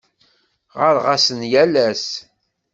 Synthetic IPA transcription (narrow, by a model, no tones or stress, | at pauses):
ʁəɾʁasənjælæs